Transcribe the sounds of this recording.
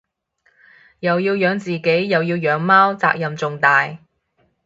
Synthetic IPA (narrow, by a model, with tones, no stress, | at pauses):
jɐ˨wjiː˧wjœː˨˧ŋt͡siː˨˩ke˨˥jːɐ˨wjiː˧wjœː˨˥ŋmaː˥wt͡sa̰ː˧k̚jɐ˨mt͡sʊ˨ŋt̪aː˨j